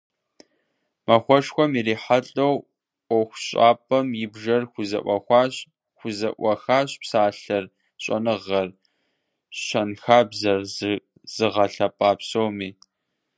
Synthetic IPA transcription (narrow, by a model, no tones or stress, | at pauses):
mɐxʷɔʂxʷɔmiɾiːħaɬʼɐw | ʔʷɔxʷɕʼa̰ːpʼɐmjɪbʒɐrxʷʊzɐ̰ʔʷɐxʷɑːɕ | xʷʊzɐʔʷɐxaːɕpsaːɬɐr | ɕʼɐ̰nɨʁɐr | ɕɐnxaːbzɐrz | z̥ɨʁɐɬɐpʼaːpsowmiː